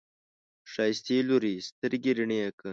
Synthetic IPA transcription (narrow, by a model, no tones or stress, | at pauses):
ʂɑːjst̪eluɾist̪əɾɡeɾiɳeakə